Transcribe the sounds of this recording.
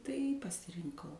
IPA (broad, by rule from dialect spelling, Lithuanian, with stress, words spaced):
tɐɪ pɐsʲɪrʲɪŋˈkɐʊ